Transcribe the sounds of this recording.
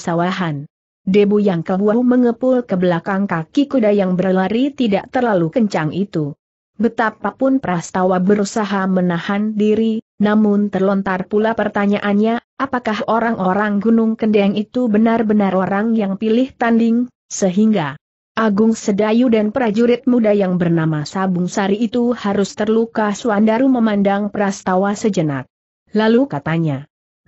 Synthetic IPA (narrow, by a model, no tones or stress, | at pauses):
sawaɦan | debujaŋkəlbuaməŋəpʊlkəbəlakaŋkakikudajaŋbəlaɾit̪idaʔ̚t̪ərlalukəɲt͡ʃaŋʔit̪u | bət̪apapʊnpəɾast̪awabəɾusaɦamənahandiɾinamʊnt̪ərlɔnt̪arpulapərt̪aɲaʔanɲaʔapakahʔoɾaŋʔoɾaŋɡunʊŋkəndeaŋit̪ubənarbənarʔoɾaŋjaŋpilɪht̪andɪŋ | səɦiŋɡa | ʔaɡʊŋsədajudanpəɾad͡ʒuɾɪt̪̚mudajaŋbərnamasabʊŋsaɾiːt̪uhaɾʊst̪ərlukasuwandaɾuməmandaŋpɾast̪awasəd͡ʒəna̰t̪̚ | lalukat̪aɲa